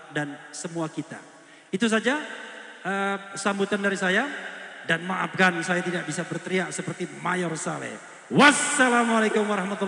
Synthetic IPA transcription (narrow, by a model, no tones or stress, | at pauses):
dansəmuakit̪a̰ | it̪us̬ad͡ʒa | əsambut̪andaɾisajadanmaʔa̰p̚kansajat̪idaʔ̚bisabərt̪əɾiasəpərt̪imajɔrsalɛ̰ | wasːalamalakʊmwaɾahmat̪u